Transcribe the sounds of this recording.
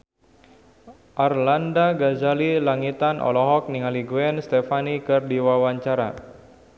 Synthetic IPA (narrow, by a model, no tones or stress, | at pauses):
ʔarlandaɡazalilaŋit̪anʔɔ̰lɔɦɔk̚niŋaliɡuɛnst̪ɛfanikɨrdiwawaɲt͡ʃaɾa